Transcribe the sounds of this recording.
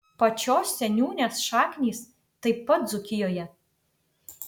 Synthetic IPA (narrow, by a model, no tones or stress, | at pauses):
pɐt͡ʃʲoːsːʲɛnʲuːnʲeːsʃɑːkʲnʲiːs | t̪ɐɪpːɐt̪̚d̪zʊkʲɪjoːjɛ